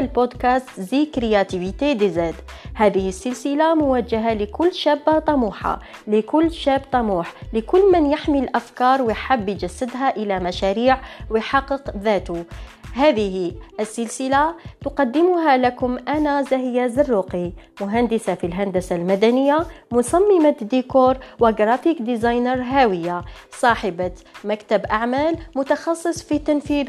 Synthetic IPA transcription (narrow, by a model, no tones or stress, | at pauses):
lbod̪kast̪zikɾijat̪ivit̪ed̪əzæd̪ | hæːðəhisːɪlsɪlamʊwæd͡ʒaɦaləkʊlːʃæbːat̪ˤɑmuːħa̰ | likʊlːʃæːbt̪ˤɑmuːħlɪkʊlːmɪnjaħmillʔæfkɑːɾˤwjħabːjd͡ʒæsːəd̪ɦaʔəlæmæʃæɾiːʕwjħɑqːəqðæːt̪ʊɦæːðəhiʔəsːəlsɪlat̪ʊqɑd̪ːɪmʊɦalakʊmʔanazæhɪjːazɑrːuqimʊɦand̪ɪsafilɦænd̪æsalmæd̪ænəjːamʊsˤɑmːɪmad̪ikuːɾˤwɪɡɾˤɑfikd̪izɑjnəɾˤɦaːwəjːasˤɑːħɪbamækt̪abʔaʕmæːlmʊt̪ɑxɑsˤːɨsˤfit̪anfiːð